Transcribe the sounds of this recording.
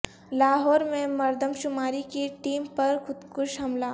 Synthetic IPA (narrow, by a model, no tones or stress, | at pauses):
laːɦɔːɾmẽmɐɾd̪ʱəmʃʊmaːɾikiʈiːmpɐɾxʊd̪kʊʃɦɐmlaː